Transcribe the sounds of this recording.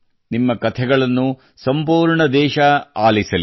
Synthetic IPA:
nimːɐkɐt̪ʰɛɡɐɭɐnːu | sɐmpuːɾɳɐd̪ɛːʃɐaːlisɐli

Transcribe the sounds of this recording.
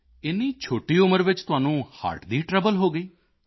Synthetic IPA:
ɪnːiːt͡ʃʰoːʈiːʊməɾʋɪt͡ʃt̪ʊaːnũːha̰ːʈd̪iːʈɾɛbəlɦoːɡəiː

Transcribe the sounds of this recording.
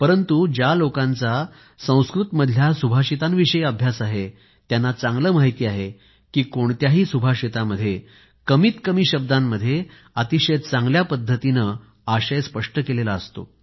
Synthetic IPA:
pəɾənt̪ud͡ʑjalokãnt͡sa | sə̃w̃skɾut̪məd̪ʱljasubʱaɕit̪anʋiɕəjəbʱjasaɦe | t̪janːat͡sãŋɡləːmaɦit̪iːaɦe | kiːkoɳt̪jaɦiːsubʱaɕit̪aməd̪ʱːje | kəmiːt̪kəmiːɕəb̚d̪amːəd̪ʱːje | ət̪iɕet̪̚t͡sãŋɡljapəd̪ʱːət̪inə | aɕəjspəʂʈəkelelaəst̪o̰

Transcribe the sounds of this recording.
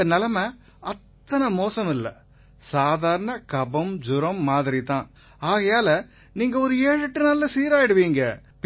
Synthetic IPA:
ɐnɐlɐmɐ | ɐt̪ːɐnɐmoːsɐmɪlːɐ̰ | saːðaːɾɐɳɐkɐbɐmd͡ʒʊɾɐmːaːðɪɾit̪ãː | aːɣɐjaːlɐ | niːŋɡɐɔɾɯeːɻɯʈːɯnɐlːɐsiːɾaːjɪɽɯʋiːŋɡɐ | p

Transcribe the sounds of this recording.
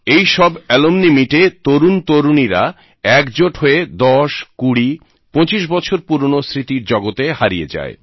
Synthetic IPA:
ejʃɔbɛlomnimiʈet̪oɾunt̪oɾuniɾa | ɛkd͡ʑoʈɦoed̪ɔʃkuɽi | põt͡ɕiʃ̬bɔt͡ɕʰoɾpuɾonosɾit̪iɾd͡ʑɔɡot̪ehaɾiḛd͡ʑa̰e

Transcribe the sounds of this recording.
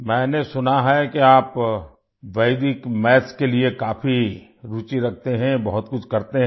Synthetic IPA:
mɛ̃ːnesʊnaɦɛkeaːp | ʋɐɪd̪ɪkmɛːskeliekaːfʰiɾuːt͡ʃiɾɐkʰt̪eɦɛ̃bɐɦʊt̪kʊt͡ʃʰkɐɾt̪eɦ

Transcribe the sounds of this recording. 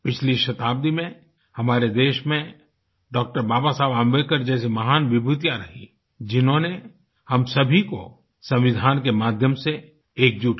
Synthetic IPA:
pɪt͡ʃʰliʃɐt̪aːb̚d̪imẽ | hɐmaːɾed̪eːʃmẽ | ɖɔːk̚ʈəɾbaːbasaːbãmʋekəɾd͡ʒɛːs̬emɐɦaːnʋɪbʱut̪jaɾɐɦi | d͡ʒɪnɦõne | hɐmsɐbʱiko̰ | sɐ̃mʋɪd̪ʱaːnkemaːd̪ʱjəmse | eːk̚d͡ʒuːʈ

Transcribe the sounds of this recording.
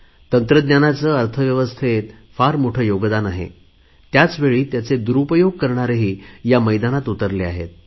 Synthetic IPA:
t̪ənt̪ɾəd̪njanat͡səːəɾt̪ʰəʋjəʋəst̪ʰet̪ | faɾmoʈʰəjoɡd̪anaɦḛ | t̪jat͡sʋeɭiːt̪jat͡sed̪uɾupəjoɡ̚kəɾɳaɾeɦiːjaməjd̪anat̪ut̪əɾleaɦḛt̪̚

